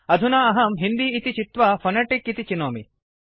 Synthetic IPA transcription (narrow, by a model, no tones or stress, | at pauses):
ɐd̪ʱunaɐɦɐmɦind̪iːt̪it͡ʃit̪ʋɐfʰɐneʈikːit̪it͡ʃinoːmḭ